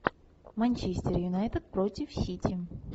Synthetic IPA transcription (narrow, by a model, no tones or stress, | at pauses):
mɐnʲt͡ɕesʲtʲɪrjʊnajt̪ət̪̚pɾotʲɪfɕʲitʲɪ